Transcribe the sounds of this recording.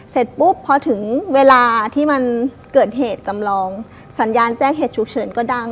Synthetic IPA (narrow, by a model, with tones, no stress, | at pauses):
se˨˩t̪̚pu˦˥˩pʰːɔ˧t̪ʰɯ˩˦ŋweː˧laː˧t̪ʰiː˥˩ma˧n | kɤː˨˩t̪̚ɦeː˨˩t̪̚t͡ɕa˧mlɔː˧ŋ | sa˩˦njaː˧nt͡ɕɛː˥˩ŋɦeː˨˩t̪̚t͡ɕʰu˨˧˩k̚t͡ɕʰɤː˧˩nkɔː˥˩da˥˩ŋ